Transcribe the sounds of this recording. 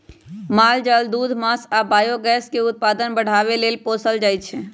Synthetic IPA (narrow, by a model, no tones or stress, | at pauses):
mald͡ʒəld̪ud̪ʱmasabaːjoɡɛskeʊt̪̚pad̪ənbəɽ̤aβelelposəld͡ʒajt̪t͡ʃʰɛ